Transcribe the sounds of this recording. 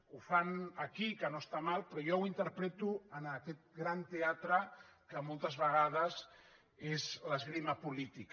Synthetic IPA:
ufanakikənoest̪amalˠpɾojowint̪əɾpɾɛt̪uənəkɛt̪̚ɡɾant̪eat̪ɾəkəmolˠt̪əzβəɣ̞að̞əz | ezlazɣɾimapulit̪ik

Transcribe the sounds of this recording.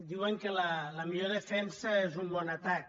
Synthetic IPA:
d̪iwəŋkələləmiʎoðəfɛnsəezumbɔnət̪ak̚

